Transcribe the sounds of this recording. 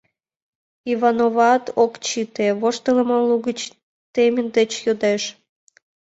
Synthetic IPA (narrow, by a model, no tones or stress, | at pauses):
iβɑnoβɑt̪okt͡ɕit̪eβoʃt̪ələ̆məluɣət͡ɕ | t̪emʲind̪et͡ɕjod̪eʃ